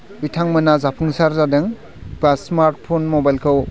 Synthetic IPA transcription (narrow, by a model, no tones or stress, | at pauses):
bitʰaŋmɯnazapʰuŋsaɾzadɯŋ | pasmaɾt̚pʰonmɔbajlkʰɯw